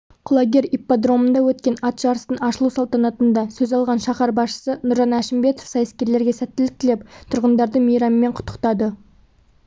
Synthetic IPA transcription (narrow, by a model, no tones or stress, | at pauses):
qʰʊlˠɑɡʲe̞ɾipːad̪ro̞mənd̪ɑwɵt̪̚kʲe̞nɑt̪ʒɑɾəst̪əɴɑʃəlˠusɑlˠt̪ɑnɑt̪ənd̪ɑsɵzɑlˠʁɑnʃɑχɑɾbɑsʃə̥sənʊɾʒɑnæʃɪmbe̞t̪o̥fsɑjəskʲe̞ɾle̞ɾɡʲe̞sæt̪ːɪlɪk̚t̪ɪle̞pt̪ʰʊɾʁənd̪ɑɾd̪əmejɾɑməme̞ɴqʰʊ̥t̪ːə̥qt̪ɑd̪ə